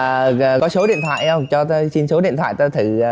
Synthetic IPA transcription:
əː˨˩əː˨kɔ˨˦so˨˦ɗḭ˧˨ənt̪ʰwa̰ː˧˨jə˧wŋ͡mt͡ɕɔ˧˨˦si˧nso˨˦ɗḭ˧ənt̪ʰwa̰ː˧˨t̪ə˨˧˦t̪ʰɨ˧˩˨

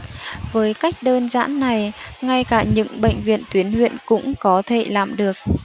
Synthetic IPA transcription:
vəː˨˦jka˦˥jk̟̚ɗəː˧nza̰ː˧˥nːa˨˩jŋa˧jkaː˧˩ɲɨ̰˧˥ŋɓə̰˧˨jŋ̟vḭ˧˨ənt̪wi˨˦ənhwḭ˧˨ənkʊ̰˧˥ŋ͡mkɔ˨˦t̪ʰe˧˩laː˨˩mɗɨ˨˩ək̚

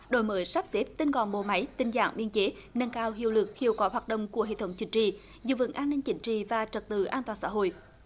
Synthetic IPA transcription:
ɗo˧˩˦jməː˨˦jsa˦˥p̚se˦˥p̚t̪i˧nɣɔ̰˧˨˩nmo˨˩ma˨˦jt̪ï˨˩ŋ̟za̰ː˧˩ŋɓi˧ənt͡ɕe˨˦nə˧nkaː˧whḭ˧˨əwlɨ˨˩k̚xi˨˧˩əwkwɔ˨˦ɦwaː˨˩t̚ɗə̰˧˨wŋ͡mku˧˩əɦḛ˧˨t̪ʰə˨˦wŋ͡mt͡ɕï˨˦ŋ̟t͡ɕḭ˧˨ | zɨ̰˧˨və̰˧˩˦ŋʔaː˧nːï˧ŋ̟t͡ɕï˨˦ŋ̟t͡ɕḭ˧˨vaː˨˩t͡ɕə˨˩t̚t̪ɨ̰˧˩ʔaː˧nt̪waː˨˩nsa̰ː˧˥ɦo̰˧˨j

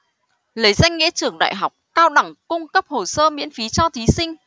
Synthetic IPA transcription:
lə˨˦jza˧jŋ̟ːḭ˧˥t͡ɕɨ˧˩əŋɗa̰ː˧˨jɦa˨˩wk͡p̚kaː˧wɗa˨˧˩ŋkʊ˧ŋ͡mkə˦˥p̚ho˨˩səː˧mḭ˧˥ənfi˨˦t͡ɕɔ˧t̪ʰi˨˦sï˧ŋ̟

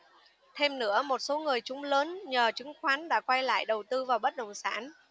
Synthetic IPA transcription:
t̪ʰe˧mnɨ̰˧˥əmo˨˩t̚so˨˦ŋɨ˨˩əjt͡ɕʊ˨˦ŋ͡mləː˨˦nɲəː˨˩t͡ɕɨ˨˦ŋxwaː˨˦nɗa̰ː˧˥kwa˧jla̰ː˧˨jɗə˨˩wt̪ɨ˧vaː˨˩wɓə˦˥t̚ɗə̰˧˨wŋ͡msa̰ː˧˥n

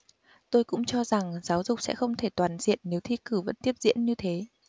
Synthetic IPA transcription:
t̪o˧jkʊ̰˧˥ŋ͡mt͡ɕɔ˧za˨˩ŋzaː˨˦wzʊ˨˩k͡p̚sɛ̰˧˥xə˧wŋ͡mt̪ʰe˧˩t̪waː˨˩nzḭ˧˨ənːe˨˦wt̪ʰi˧kɨ˧˩və̰˧˥nt̪i˦˥əp̚zḭ˧˥ənɲɨ˧t̪ʰe˨˦

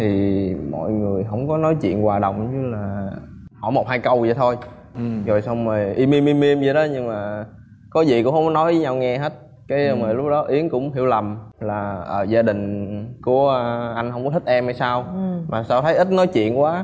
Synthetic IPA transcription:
t̪ʰi˨˩mɔ̰˧˨jŋɨ˨˩əjɦə̰˧˥wŋ͡mkɔ˨˦nɔ˨˦jt͡ɕḭ˧˨ənkwaː˨˩ɗə̰˨˩wŋ͡mɲɨ˧laː˨˩hɔ̰˧˩jmo˨˩t̚haː˧jkə˧wzə˨˩t̪ʰo˧j | zo˨˩jsa˧wŋ͡mməː˨˩jʔi˧mi˧mi˧mi˧əmzə˧˩˦ɗɔ˨˦ɲɨ˧ŋmaː˨˩ | kɔ˨˦zi˨˩kʊ̰˧˥ŋ͡mhwɔ˦nɔ˨˦jvəː˨˦ɲa˧wŋɛ˧ɦe˦˥t̚ | kaː˨˦jməː˨˩jlʊ˦˥k͡p̚ɗɔ˨˦ʔi˨˦ənkʊ̰˧˥ŋ͡mɦi˧˩əwlə˨˩mlaː˨˩ʔəː˧˩zaː˧ɗï˨˩ŋ̟ku˧˩ə˧ʔa˧jŋ̟hə˧wŋ͡mkɔ˨˦t̪ʰï˦˥t̚ʔɛ˧mhaː˧˩jsaː˧wmaː˨˩saː˧wt̪ʰə˨˦jʔi˦˥t̚nɔ˨˦jt͡ɕwḭ˧˨ənkwaː˨˦

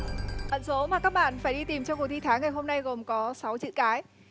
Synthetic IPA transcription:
ʔə̰˧˨nso˨˦maː˨˩kaː˦˥k̚ɓa̰ː˧˨nfaː˧˩jɗi˧t̪i˨˩mt͡ɕɔ˧wku˨˩t̪i˧t̪ʰaː˨˦ŋa˨˩jɦo˧mna˧jɣo˨˩mkɔ˨˦sa˨˦wt͡ɕiɨ̰˧˨kaː˨˦j

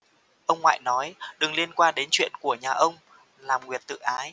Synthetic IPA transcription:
ʔə˧wŋ͡mŋwa̰ː˧˨jnɔ˨˦jɗɨ˨˩ŋli˧ənkwaː˧nɗe˨˦nt͡ɕwḭ˧˨ənku˧˩əɲaː˨˩ʔə˧wŋ͡m | laː˨˩mŋwi˨˩ət̚t̪ɨ̰˧˨ʔaː˨˦j

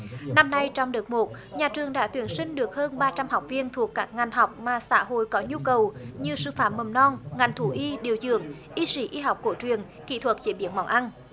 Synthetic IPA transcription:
na˧mna˧jt͡ɕɔ˧wŋ͡mɗɨ˨˩t̚mo˨˩t̚ɲaː˨˩t͡ɕɨ˨˩əŋɗa̰ː˧˥t̪wi˨˦ənsï˧ŋ̟ɗɨ˨˩ək̚həː˧nɓaː˧t͡ɕa˧mha˨˩wk͡p̚vi˧ənt̪ʰu˨˩əkːaː˦˥k̚ŋa˨˩jŋ̟ɦa˨˩wk͡p̚maː˨˩sa̰ː˧˥ɦo̰˧˨jkɔ˨˦ɲu˧kə˨˩wɲɨ˧sɨ̰˧˨faː˧˩mə˨˩mnɔ˧nŋa˨˩jŋ̟t̪ʰu˧˩ʔi˧ɗi˨˩əwzɨ̰˧˨əŋʔi˧si˧˩ʔi˧ɦa˨˩wk͡p̚ko˧˩t͡ɕwi˨˩ən | kḭ˧˨˩t̪ʰwə˨˩t̚t͡ɕi˧˦ɓḭ˧˩˦ənmɔ˨˧˩wʔa˧n

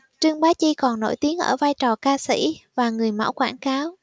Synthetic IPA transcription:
t͡ɕɨ˧əŋɓaː˨˦t͡ɕi˧kɔ˨˩nːo̰˧˥jt̪i˨˦əŋʔə̰ː˧˩vaː˧jt͡ɕɔ˨˩kaː˧sḭ˧˥vaː˨˩ŋɨ˨˩əjma̰ː˧˥wkwaː˧˩nkaː˨˦w

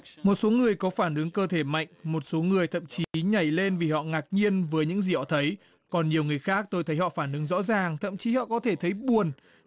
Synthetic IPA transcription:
mo˨˩t̚so˨˦ŋɨ˨˩əjkɔ˨˦faː˧˩nʔɨ˨˦ŋkəː˧t̪ʰe˧˩ma̰˧˨jŋ̟mo˨˩t̚so˨˦ŋɨ˨˩əjt̪ʰə̰˧˨mt͡ɕi˨˦ɲa˨˧˩jle˧nvi˨˩hɔ̰˧˨ŋaː˨˩k̚ɲi˧ənvəː˨˦jɲɨ̰˧˥ŋzi˨˩hɔ̰˧˨t̪ʰə˨˦j | kɔ˨˩nɲi˨˩əwŋɨ˨˩əjxaː˦˥k̚t̪o˧jt̪ʰə˨˦jhɔ̰˧˨faː˧˩nʔɨ˨˦ŋzɔ̰˧˥zaː˨˩ŋt̪ʰə̰˧˨mt͡ɕi˨˦hɔ̰˧˨kɔ˨˦t̪ʰe˧˩t̪ʰə˨˦jɓu˨˩ən

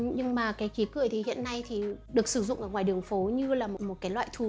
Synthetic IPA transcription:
ɲɨ˧ŋmaː˨˩kaː˨˦jki˨˦kɨ̰˧˨əjt̪ʰi˨˩hḭ˧˨ənːa˧jt̪ʰi˨˩ɗɨ˨˩ək̚sɨ˧˩zʊ̰˧˨ŋ͡mʔəː˧˩ŋwaː˨˩jɗɨ˨˩əŋfo˨˦ɲɨ˧laː˨˩mo˨˩t̚mo˨˩t̚kaː˨˦jlwa̰ː˧˨jt̪ʰu˨˧˩

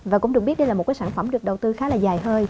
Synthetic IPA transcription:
vaː˨˩kʊ˧˥ŋ͡mɗɨ˨˩kɓi˦˥ət̚ɗjlaː˨o˨˩kaː˨˦saː˧nfə˧˩mɗɨ˨˩ək̚ɗə˨˩wt̪ɨ˧xaː˨˦laː˨˩zaː˨˩jɦəː˧j

